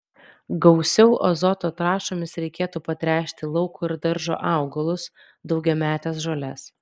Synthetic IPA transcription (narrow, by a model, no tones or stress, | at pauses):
ɡɒʊsʲɛʊʔɔ̰zɔt̪oːt̪ɾɑːʃoːmʲɪsɾʲɛɪkʲeːt̪uːpɐt̪ʲɾʲæˑːʃʲt̪ʲɪlˠɐʊkuːɪɾd̪ɐɾʒo̰ːʔɑˑʊɡɐlˠʊs | d̪ɒʊɡʲɛmʲæːt̪ʲeːsʒoːlʲɛs